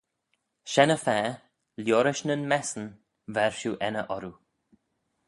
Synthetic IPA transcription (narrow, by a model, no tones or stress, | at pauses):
ʃɛnəfɛː | ljoːɾɪʃnənmɛsən | vɛɹʃuːʔɛnəʔɔɾu